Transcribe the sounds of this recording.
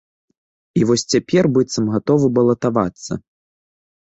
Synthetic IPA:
ivɔsʲt͡sʲapʲɛrbɨt̪sɐmɣat̪ɔvɨbɐlˠɐt̪ava̰t̪sːɐ̰

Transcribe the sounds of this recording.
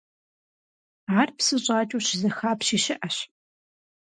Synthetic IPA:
ʕarpsɨɕʼɑːt͡ʃʼuɕɪzɐxaːpɕiːʃɪʔɐɕ

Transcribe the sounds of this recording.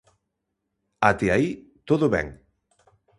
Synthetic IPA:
at̪eait̪oðʊβɛ̰ŋ

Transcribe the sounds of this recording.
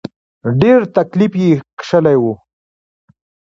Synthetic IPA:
ɖeɾt̪aklifjekʂəlajwu

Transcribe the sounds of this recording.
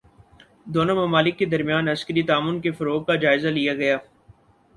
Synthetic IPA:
d̪oːnomɐmaːlɪkːed̪ɐɾmjaːnɐskəɾit̪aːmʊnkefɐɾoːɡ̚kad͡ʒaːɪzalijaɡɐjaː

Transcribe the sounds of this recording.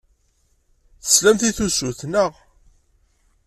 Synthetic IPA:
θə̥slæmθiθusuθnəʁ

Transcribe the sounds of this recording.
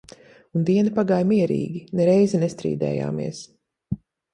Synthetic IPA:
und̪iɛnipaɡaːjmiɛɾḭːɡʲinɛɾɛjzɛnest̪ɾḭːd̪ɛ̰ːja̰ːmḭɛs

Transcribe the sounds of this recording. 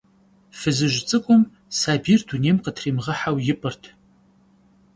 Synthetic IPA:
fɨzɨʒʷt͡sʼɨkʷʼʊm | saːbiːrduneːmqətʰriːmʁɐħawjɪpʼɨrtʰ

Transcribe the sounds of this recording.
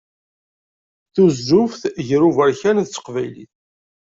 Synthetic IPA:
θuzʒʊfθʝɾuvəɾçænðt͡sːə̥qvæjlḭθ

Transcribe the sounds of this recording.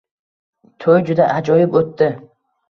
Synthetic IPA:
t̪ʰɵjd͡ʒʊd̪aʔad͡ʒɒjɪpot̪ːɪ

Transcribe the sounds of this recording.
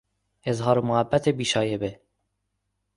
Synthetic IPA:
ezɦɑːɾomohæbːæt̪ʰebiːʃɑːjebe

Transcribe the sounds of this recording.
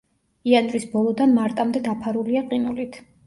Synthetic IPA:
ianɾisbɔlˠɔd̪anmaɾt̪ʼamd̪ɛd̪apʰaɾuliaqʼinulit̪ʰ

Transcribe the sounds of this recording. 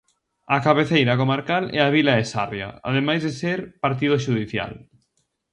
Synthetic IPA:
ɐkaβeθejɾɐkomaɾkalɛ̰aβ̞ilaesa̰rja̰a̰ðemajzðeseɾpaɾt̪̬iðoʃ̬uðiθja̰l

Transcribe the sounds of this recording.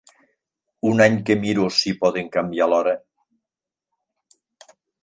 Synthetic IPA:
unaɲkemiɾosipɔðeŋkambialɔɾə

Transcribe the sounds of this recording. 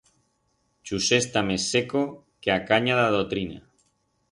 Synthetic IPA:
t͡ʃusest̪amesːeko | keakaɲaðaðot̪ɾina̰

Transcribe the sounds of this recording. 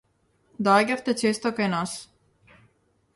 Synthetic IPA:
d̪aɡʲaft̪ɛt͡ʃest̪okajnas

